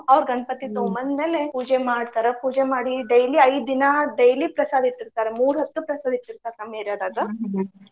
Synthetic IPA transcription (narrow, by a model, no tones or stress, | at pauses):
ɐʋɾɡɐnpɐt̪ːit̪oːmɐnd̪meːlepuːd͡ʒemaːɽt̪aːɾepuːd͡ʒemaːɽiɖɐjliɐjd̪d̪inɐɖɐjlipɾɐsaːd̪ʱiʈːiɾt̪aːɾemuːɾɦɐt̪ːupɾɐsaːd̪ʱiʈːiɾt̪aːɾkɐmeːɾaːd̪aːɡɐ